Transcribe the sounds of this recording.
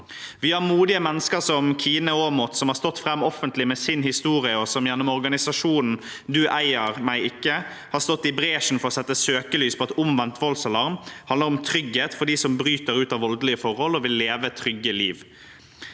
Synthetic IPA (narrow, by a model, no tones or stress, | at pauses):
ʋɪːhɑɾmuːd̪ɪəmɛnːəskəɾsɔmkʰiːnəoːmɔt̪sɔmhɑːɾst̪ɔt̪ːfɾɛmːɔfənt̪lɪmɛːsɪnhɪst̪uːɾɪəɔsɔmjɛnːɔmɔɾɡɑnɪsɑʂuːnn̩ | d̪ʉʔæɪəɾmæɪɪkːə | hɑːɾst̪ɔt̪ːɪbɾeːʂn̩fɔɾɔsɛt̪ːəsøːkəlyːspʰɔɛt̪ʊmʋɛnt̪ʰʋɔlsəlɑɾmhɑnd̪əɾɔmt̪ʰɾʏɡheːt̪fɔɖ̪iːsɔmbɾyːt̪əɾʉːt̪ɑʋɔld̪əlɪəfɔʁhɔlɔʋɪlːeːʋət̪ʰɾʏɡːəliːʋ